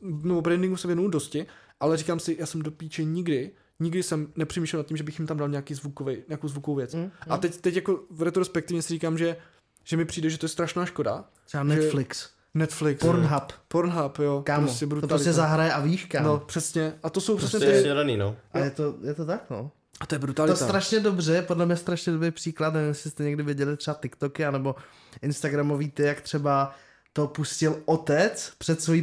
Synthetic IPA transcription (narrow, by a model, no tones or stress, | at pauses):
nɛbobɾɛndɪ̃ŋɡusɛvjɛnuwdoscɪ | ʔalɛriːkaːmsɪjaːsɛmdopiːt͡ʃɛɲɪɡdɪ | ɲɪɡdɪsɛmnɛpr̥ɛmiʃlɛlnat̪cːimʒɛbɪxjɪmt̪amdalɲaːkiːzvukovɛjɲaːkowzvukovowvjɛt͡sʔat̪ɛct̪ɛcjakovɾɛt̪ɾospɛkt̪ɪvɲɛsɪɾriːkaːmʒɛ | ʒ̥ɛmɪpr̝̥iːdɛʒɛt̪ojɛst̪ɾaʃnaːʃko̞da̰̥ | ɛanɛɛflɪks | nɛt̪flɪksoɾnɦappoɾnɦapjokaːmosɛbɾut̪oɾosstcɛzaɦɾajɛʔaviʃkanopr̥ɛsɲɛʔat̪osowprɛsɲɛsdaniːnoʔajɛt̪ojɛt̪ot̪akno̰ː | at̪ojɛbɾualɪt̪ost̪ɾaʃɲɛdobr̝ɛjɛpodlɛmɲɛst̪ɾaʃɲɛdobɾejpr̥iːklat̪̬nɛvɪmjɛsɪst̪ɛɲɛɡdɪvjɪɛɟɛlɪt̪r̥ɛbat̪ɪkt̪okɪanɛbo̞ | ʔɪnst̪aɡɾamo̞viːt̪ɪjakt̪r̥ɛba | t̪o̞puscɪlʔot̪ɛt͡spr̥ɛt̪sʋojiː